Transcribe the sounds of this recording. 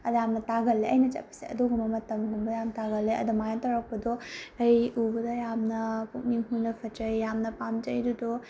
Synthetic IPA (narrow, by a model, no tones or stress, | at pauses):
ɐdamnɐtaɡɐlːeɐjnɐt͡ʃɐ̰pːɐ̥siɐ̰duɡumɐmɐtɐmɡumbɐjamtaɡɐlːeʔɐ̰dumajatɐɾɐk̚pɐdoɐjubɐdɐjamnɐkuk̚miŋɦunɐpʰɐtɐjːamnɐpamd͡ʒɐjdudo